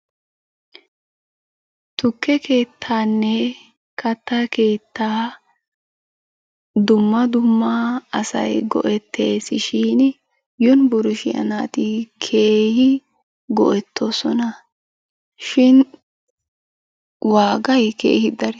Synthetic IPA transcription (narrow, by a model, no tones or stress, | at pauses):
t̪ʊkːɛke̞ːt̪ʰːaːnːɛ | kɐt̪ːɐke̞ːt̪ːaː | d̪ʊmːɐd̪ʊmːaɐsɐ̰jɡɔ̰ʔɛt̪ʰːe̞ːsɪʃiːn | jʊnbʊɾʊʃɪjɐ̰naːt̪ɪkʰe̞ːhɪ | ɡɔ̰ʔɛt̪ːosɔnɐ | ʃɪn | waːɡɐjke̞̰ːhɪd̪ɐɾ